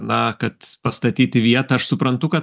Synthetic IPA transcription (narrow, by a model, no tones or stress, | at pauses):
nɐkɐt̪pɐst̪ɐt̪ʲiːt̪ʲɪʋʲiɛt̪ɐɐʃsʊpɾɐnt̪ʊkɐ